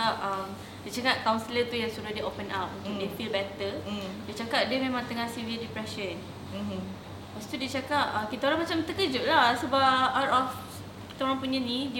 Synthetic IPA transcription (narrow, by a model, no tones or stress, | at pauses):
ap̚əm | diət͡ʃakat̪̚kawnsələt̪ujaŋsudahdiʔopənat̪̚ut̪udefilbɛt̪ədiət͡ʃakaʔ̚dəmẽmãŋt̪əŋahsiviədipɾɛʃən | past̪udiət͡ʃakaʔakit̪aoɾãŋmat͡ʃamt̪əkəd͡ʒʊʔlahsəbapat̪ɔf | ki̥t̪aoɾaŋpuɲãnĩdi